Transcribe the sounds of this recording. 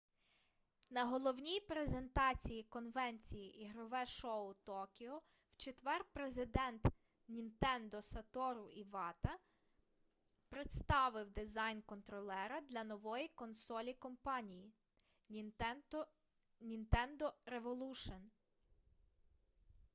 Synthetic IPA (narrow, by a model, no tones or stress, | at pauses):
nɐɦɔlˠɔwnʲijpɾe̞ze̞nt̪ɑt͡sʲijikɔnʋɛnʲt͡sʲijiʔiɦɾɔʋɛʃɔʊt̪ɔkʲiɦɔ | w̥t͡ʃet̪ʋɛrpɾezɪd̪ɛnt̪ | nʲint̪ɛnd̪ɔsɐt̪ɔɾʊiʋɑt̪ɐ | pɾet̪st̪ɑʋɪwd̪ɪzɑjnkɔnt̪ɾɔlˠɛɾɐd̪lʲɐnɔʋɔjikɔnsɔlʲikɔmpɑnʲiji | nʲint̪ɛnd̪ɔɾeʋɔlˠuʃɔn